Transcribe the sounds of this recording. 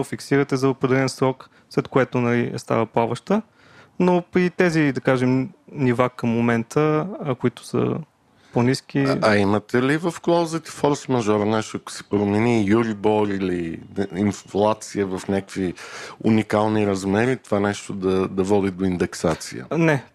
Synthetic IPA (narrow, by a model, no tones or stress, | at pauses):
ofiksiɾət̪ɛzɐopɾɛd̪ɛlɛnsɾɔk | slɛt̪koɛt̪ʊnɐlḭst̪a̰vəplˠavəʃt̪ə | noit̪ɛzid̪ɐkaʒɛmnivakəmːomɛnt̪ʰəkoit̪ʊ̥sə̰ | ponisk̟ʲiɐimət̪ɛlivɐfklˠawzət̪i̥fɔɾsmɐʒɔɾɐnɛʃt̪ʊɐkʊ̥sɛ̥pɾomɛnijuɾibɔɾiliinflˠat̪siəvɐfnʲakkviunikalˠniɾɐzmɛɾit̪ovanɛʃt̪od̪ɐd̪ɐvɔd̪id̪oind̪ɛksat̪sḭjə̰nɛ